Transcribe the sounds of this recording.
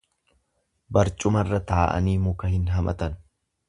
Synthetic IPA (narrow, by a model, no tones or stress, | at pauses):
bɐɾt͡ʃʼʊmɐrːɐt̪aːʔɐ̰niːmʊkɐhɪnɦɐmɐ̰t̪ɐn